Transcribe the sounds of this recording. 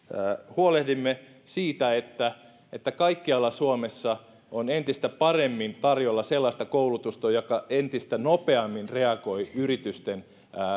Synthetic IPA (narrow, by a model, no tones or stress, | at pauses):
huolehdimːe | siːt̪æet̪ːæ | et̪ːækɑikːiɑlːɑsuomesːɑ | onent̪ist̪æpɑremːint̪ɑrjolːɑselːɑist̪ɑkoulut̪ust̪ojokɑent̪ist̪ænopeɑmːinreɑɡoiyrit̪yst̪enː